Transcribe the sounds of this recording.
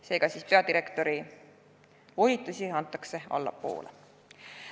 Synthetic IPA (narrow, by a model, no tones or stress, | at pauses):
se̞ːɡɑsiːspe̞ɑd̪iɾe̞kt̪o̞ɾi | vo̞lʲit̪ːˑusʲiɑnt̪ːˑɑkse̞ɑ̰lːɑ̰po̞̰ːlʔḛ